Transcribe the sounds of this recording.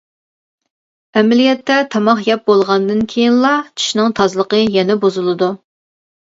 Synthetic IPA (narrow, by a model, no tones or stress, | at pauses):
ɛmɛlijɛt̪ʰːɛt̪ʰɑmɑχjɛp̚bolˠʁɑnd̪ɨnkʲʰejinlˠɑt͡ʃʰi̥ʃnɨŋt̪ʰɑzlˠəqəjɛnɛbozulˠɨd̪u